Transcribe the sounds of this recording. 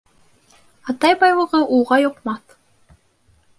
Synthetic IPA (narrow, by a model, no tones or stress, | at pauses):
ɑt̪ɑjbɑjlˠɤ̆ʁɤʔulˠʁɑjŏqmɑθ